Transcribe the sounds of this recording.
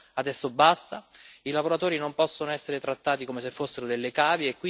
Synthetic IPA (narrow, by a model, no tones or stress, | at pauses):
ad̪ɛsːobast̪ailavoɾat̪oːɾinompɔsːonoɛsːeɾet̪ɾat̪ːaːt̪ikomes̬efːosːeɾod̪elːekaːvjeːkːwi